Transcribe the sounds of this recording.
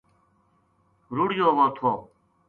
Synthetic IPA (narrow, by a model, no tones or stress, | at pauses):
ɾuɽjoːʋoːt̪ʰoː